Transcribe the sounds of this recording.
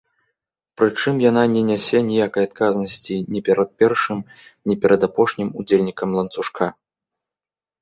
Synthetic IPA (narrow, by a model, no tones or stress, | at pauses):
pɾɨt͡ʂɨmjan̪anʲɛnʲɛsʲɛnʲijakɐjat̪̚kaznɐsʲt͡sʲinʲɛpʲɛɾɐt̪̚pʲɛrʂɨmnʲipʲɛɾɐd̪apɔʂnʲimud͡zʲelʲnʲikɐmlˠɐnt̪suʂkʰa